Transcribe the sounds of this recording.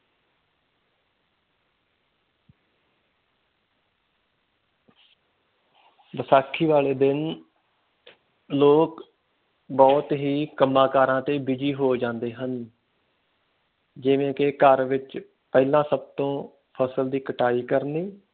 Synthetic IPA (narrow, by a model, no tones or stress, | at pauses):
ʋəsaːkʰːiːʋaːleːd̪ɪn | loːk | bɔːt̪ɦiːkəmːaːkaːɾãːt̪eːbɪd͡ʒiːɦoːd͡ʒãːnd̪eːɦən | d͡ʒɪʋẽːkɪkəɾʋɪt͡ʃ | pɛːlãːsəb̚t̪õː | pʰəsəld̪iːkəʈaːiːkəɾniː